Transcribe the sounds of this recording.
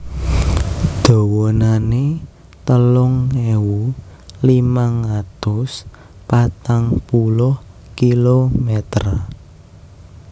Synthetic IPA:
d̪̥o̤wonane | t̪əlʊŋewu | limaŋat̪ʊs | pat̪aŋpulʊh | kilomɛt̪ra

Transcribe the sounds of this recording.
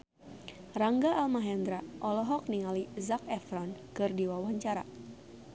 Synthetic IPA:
raŋɡaʔːlmaɦɛnd̪ɾaʔɔlɔɦɔk̚niŋalizak̚ɛfɾɔnkɨrdiwawaɲt͡ʃaɾa

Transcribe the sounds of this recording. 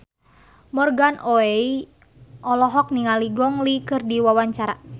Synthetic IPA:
mɔrɡanʔoei | ʔɔlɔɦɔk̚niŋaliɡɔŋlikɨrdiwawaɲt͡ʃaɾa

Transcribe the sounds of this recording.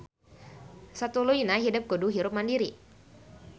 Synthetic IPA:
sat̪uluinaɦidəp̚ɡoduɦiɾʊp̚mandiɾi

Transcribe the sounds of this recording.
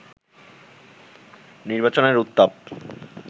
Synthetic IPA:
niɾbat͡ɕoneɾut̪ːab̚

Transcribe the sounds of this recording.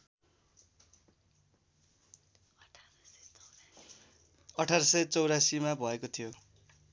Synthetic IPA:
ʌʈʰarʌsʌjt͡sʌwɾasimabʱʌekot̪ʰijo

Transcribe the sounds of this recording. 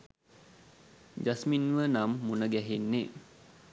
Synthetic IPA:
d͡ʒasminʋənamːunəɡæɦenːe

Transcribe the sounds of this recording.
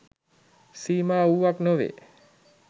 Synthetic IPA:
siːmaːuʋaknoʋḛ

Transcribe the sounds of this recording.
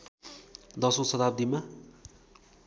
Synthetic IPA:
d̪ʌsosʌt̪ap̚d̪ima

